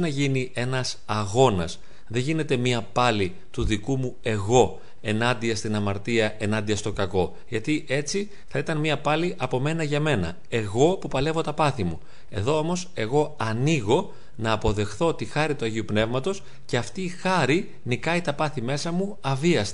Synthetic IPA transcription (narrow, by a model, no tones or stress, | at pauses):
nɐʝiniʔe̞nɐsɐɣo̞nɐs | ðe̞ʝine̞t̪e̞miɐpɐli | t̪uðikumue̞ɣo̞ | e̞nɐnd̪iɐst̪inɐmɐɾt̪iɐe̞nɐnd̪iɐst̪o̞kɐko̞ | ʝɐt̪iʔe̞t͡si | θɐit̪ɐnmiɐpɐliʔɐpo̞me̞nɐʝɐme̞nɐ̰ | e̞ɣo̞pupɐle̞vo̞t̪ɐpɐθimu | e̞̰ðo̞omo̞se̞ɣo̞ɐniɣo̞ | nɐːpo̞ðe̞xθo̞ot̪ixɐɾit̪uɐʝiupne̞vmɐt̪o̞s | ceɐft̪iːxɐɾi | nikɐit̪ɐpɐθime̞sɐmu | ɐviɐst̪